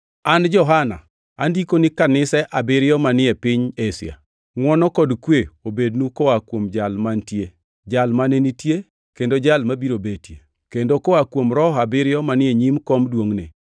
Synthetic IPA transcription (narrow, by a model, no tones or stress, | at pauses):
and͡ʒɔɦana̰ | andikonikanɪsɛʔabɪɾjɔmanɪɛpɪɲesɪ̰a̰ | ŋwɔnɔkɔdkweobednukɔakwomd͡ʒalmantje | d͡ʒalmanenitje | kendod͡ʒalmabiɾobetje | kendokɔakwomɾɔɦabɪɾɪjɔmanɪɛɲimkɔmdwoŋnḛ